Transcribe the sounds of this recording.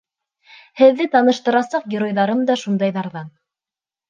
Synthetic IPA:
hɘ̆ðːɘt̪ɑnɤ̆ʃt̪ɤ̆ɾɑsɑq̚ɡʲɪɾojðɑɾɤmd̪ɑʃund̪ɑjðɑɾðɑn

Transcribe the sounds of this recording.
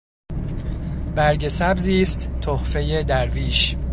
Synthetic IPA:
bæɾɟe̞sæbziːst̪t̪ʰohfe̞je̞d̪æɾviːʃ

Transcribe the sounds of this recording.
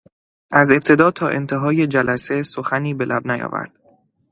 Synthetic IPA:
ʔæze̞p̚t̪ʰe̞d̪ɒːt̪ʰɒːʔe̞nt̪ʰeɦɒːje̞d͡ʒælæse̞soxæniːbe̞lʔæ̰bnæjɒ̰ːvæ̰ɾd̪̥

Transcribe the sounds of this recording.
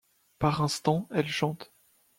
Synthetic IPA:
paʁɛ̃st̪ɑ̃ɛlʃɑ̃t̪

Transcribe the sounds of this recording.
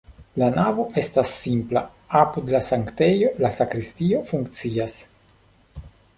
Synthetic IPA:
lanavo̞ʔe̞stasːimpla̰ | apud̪lasaŋkt̪e̞jo̞lasakɾistio̞fuŋkt͡sias

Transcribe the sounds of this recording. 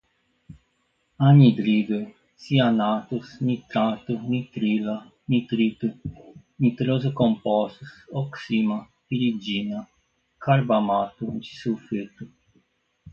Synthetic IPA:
aɲid̪ɾiɡwe | sianat̪usnit̪ɾat̪unit̪ɾilɐ | nit̪ɾit̪unit̪ɾozekompɔst̪usoksimɐ | piɾid͡ʒinɐ | kaɾbamat̪ud͡ʒisufet̪u

